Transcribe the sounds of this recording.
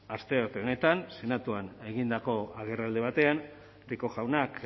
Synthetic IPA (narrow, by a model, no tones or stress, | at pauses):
ast̪e̞okone̞t̪anse̞nat̪uane̞ɣind̪ako̞aɣ̞e̞rald̪e̞β̞at̪e̞an | riko̞ʝawnak